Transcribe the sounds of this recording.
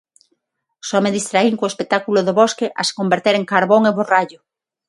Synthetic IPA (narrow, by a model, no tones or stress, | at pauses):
sɔmeðist̪ɾaiŋkoespek̚t̪akuloðoβoskeʔase̥kombeɾt̪eɾeŋkaɾβoŋeβoraʎʊ